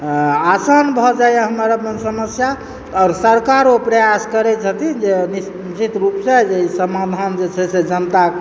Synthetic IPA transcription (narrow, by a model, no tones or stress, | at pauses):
asənbʱɔd͡ʒajeɦəmɾamənsəməsja | ɔːɾsəɾkaɾopɾəjaskəɾɛt͡ʃʰət̪id͡ʒenis | t͡ʃit̪ɾupsed͡ʒeisəmad̪ʱand͡ʒet͡ʃʰɛsed͡ʒənt̪a